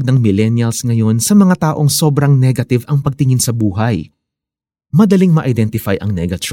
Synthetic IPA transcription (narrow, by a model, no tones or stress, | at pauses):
ɡ̚nɐŋmɪlɛnjɐlsŋɐjo̞nsɐmɐŋat̪aːʔo̞ŋso̞bɾɐŋnɛɡɐt̪ɪvɐŋpɐɡ̚t̪ɪŋɪnsɐbuːɦɐj | mɐd̪ɐliŋmɐʔɐjd̪ɛnt̪ɪfajʔɐ̰ŋnɛɡɐt͡ʃ